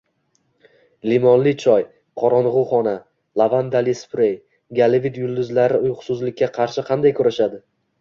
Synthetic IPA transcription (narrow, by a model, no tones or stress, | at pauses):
limɒnlɪt͡ʃʰɒj | qʰɒɾɒnʁʊχɒna | lˠavand̪alispɾej | ɡʲalɪvɪt̪jʊlˠd̪ʊzlaɾɪʊjʁʊ̥sʊzlɪkʲːaqʰɑɾʃɪqʰɑnd̪ajkʰʊɾaʃad̪ɪ